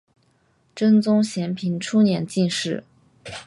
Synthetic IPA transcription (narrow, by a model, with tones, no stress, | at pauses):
ʈ͡ʂə˥nt͡sʊ˥ŋɕjɛ˧˥npʰi˧˥nʈ͡ʂʰu˥njɛ˨˩nt͡ɕi˥˧nʂɻ̩˥˩